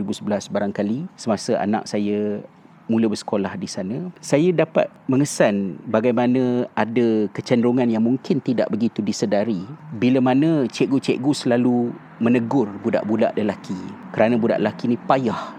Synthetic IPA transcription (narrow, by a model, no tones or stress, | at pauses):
ɾibusəbəlasbaɾaŋkalisəmasəʔa̰na̰k̚sajə | muləbərsə̥kolahdisanə̃sajadapa̰t̪̚məŋəsanbaɡajmanə̃adakət͡ʃandɾuŋanjaŋmuŋkɪnt̪ida̰ʔbəɡit̪udisədaɾibiləmanə̃t͡ʃɛʔ̚ɡut͡ʃɛ̰ʔɡusəlalu | mənəɡʊrbuda̰ʔbuda̰ʔləlakikəɾanə̃buda̰ʔləlakinĩpajah